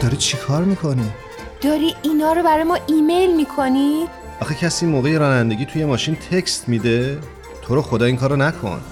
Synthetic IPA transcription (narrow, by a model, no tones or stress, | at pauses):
d̪̥ɒːɾiːd̪̚t͡ʃʰikʰɒːɾmiːkʰoni | d̪̥ɒːɾiinɒːɾobæɾɒːjmɒːʔimejlmiːkʰoni | ʔɒːxecʰæsiːmoːɣe̞jeɾɒːnænd̪e̞ɡʲiːt̪ʰuje̞mɒːʃint̪ʰe̞cst̪miːd̪e̞ | t̪ʰoɾoxo̞d̪ɒːiːŋkʰɒːɾonækʰo̰n